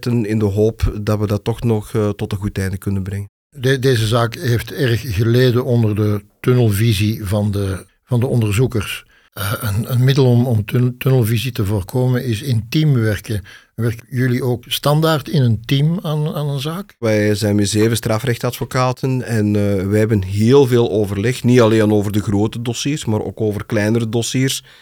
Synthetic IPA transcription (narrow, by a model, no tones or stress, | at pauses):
tənɪndəɦoːpdɑtʋədɑtːɔxnɔxtɔtəɣutɛjndəkɵnənbrɛŋən | dedeːzəzaːkɦeːftɛrxɣəleːdənɔndərdətɵnəlˠvizivɑndə | v̥ɑndəɔndərzukərs | əənənmɪdəlˠɔmɔmtønəlˠvizitəvoːrkʰoːmənɪsɪntimʋɛrkə | ʋɛrkjɵlioːkstɑndaːrtɪnəntimanaːnənzaːkʋɛjzɛjnmɛtzeːvəstraːfrɛxtɑtfokaːtʰənɛnʋɛɦɛbənɦeːlˠveːlˠoːvərlɛxnitɑleːnoːvərdəɣroːtədɔsiːrsmaːɾʔo̰ːkoːvərklɛjnəɾədosiːrs